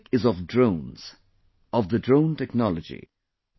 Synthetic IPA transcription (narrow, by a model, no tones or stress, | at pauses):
kɪzʌvdɹõʊ̃nz̥ | ʌvðədɹõʊ̃ntɛknɑlˠəd͡ʒḭ